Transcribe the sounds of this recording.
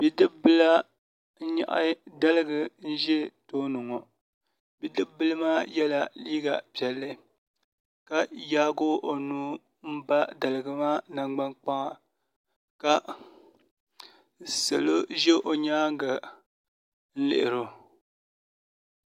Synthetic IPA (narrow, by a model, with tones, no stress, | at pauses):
bi˨dɨ˦bɨ˦la˦ | ɲa̰˨ʔa̰˦da˦lɨ˦ɡɨ˨n̩˦ʒɛ˦toː˦nʊ˨ŋɔ˨ | bi˨dɨ˦bbɨ˦lɨ˦maː˦jɛ˦la˨liː˦ɡa˨pɛ˨lːɨ˦ | ka˨jaː˦ɡo˦ʔo˨nuː˦ | m̩˦ba˦da˨lɨ˨ɡɨ˨maː˦na˨ɡ͡ba˦ŋk͡pa˦ŋa˦ | ka˨ | sɨ˨lo˦ʒɛ˦ʔo˨ɲaː˦ŋ˦ɡa˨ | n̩˦lɪ̰˨ʔɪ˨ɾo˨